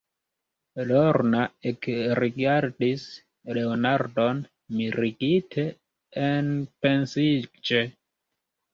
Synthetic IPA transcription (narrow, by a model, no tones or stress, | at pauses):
loɾnaekɾiɡaɾdis | leonaɾdon | miɾiɡitʰeː | npensid͡ʒe